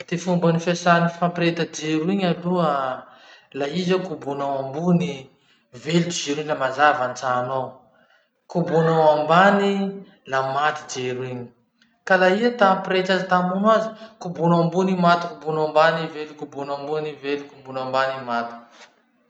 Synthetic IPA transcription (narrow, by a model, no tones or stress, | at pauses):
d̪̥efumbanifesanifampiɾet̪əd͡ʒeɾuiɲalua | laɦizakubunawambuni | velud͡ʒid͡ʒeɾiɲlamazavant͡saːno | kubunawambani | lamat̪id͡ʒeɾuiɲi̥ | kalaiat̪ampiɾet̪azit̪amunwazikubunaambunimat̪u̥kubunambanivelukubunambunivelikubunambanimat̪u̥